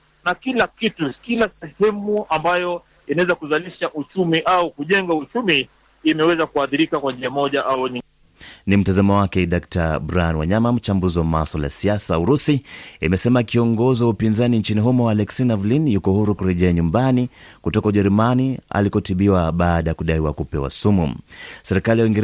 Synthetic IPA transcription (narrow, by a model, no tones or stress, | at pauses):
nakilakitukilasɛhɛmuambajɔ | inawɛzakuzaliʃaʔut͡ʃumiʔaukuʄɛŋɡaut͡ʃumiː | mɛwɛzakuaθiɾikakwaɲd͡ʒiamɔʄaʔauɲi | nim̩tazamɔwakɛɗak̚tabɾaanwa̰ɲamam̩t͡ʃambuziwamasala̰a̰siasauɾusiimɛsɛmakiɔŋɡɔziwaupinzaniɲt͡ʃiniɦɔmɔwalɛksinavlinjukɔhuɾukuɾɛʄɛaɲumbanikutɔkauʄɛɾumania̰likɔtiɓiwaɓaːɗajakuɗaiwakupɛwa̰sumṵsɛɾikalijawiŋɡɛɾ